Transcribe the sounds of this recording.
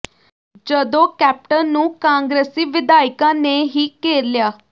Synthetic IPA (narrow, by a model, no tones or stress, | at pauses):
d͡ʒəd̪õːkɛːp̚ʈənːũːkãːŋɡɾeːsiːʋɪd̪aːɪkãːneːɦiːkeːɾlɪjaː